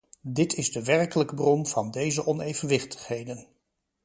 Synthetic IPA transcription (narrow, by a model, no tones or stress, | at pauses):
dɪtʰɪzdəʋɛrkələkəbrɔnv̥ɑndejzəʔɔnejvənʋɪχtə̥χɦejdən